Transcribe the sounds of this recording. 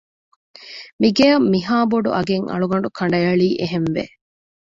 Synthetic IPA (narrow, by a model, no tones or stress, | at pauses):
miɡejɐmːiɦaːboɖṵʔɐɡeŋɐ̰ɭuɡɐɳ̆ɖukʰɐɳɖɐjɐɭiːʔeɦenʋḛ